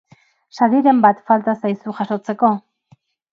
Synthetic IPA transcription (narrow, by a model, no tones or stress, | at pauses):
ʃaðiɾe̞mbat̪falt̪asajsuxaʃo̞t͡se̞ko̞